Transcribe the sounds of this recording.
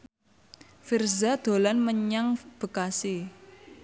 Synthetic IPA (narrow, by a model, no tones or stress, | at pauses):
firzad̪̥o̤lanməɲaŋb̥ə̤kasi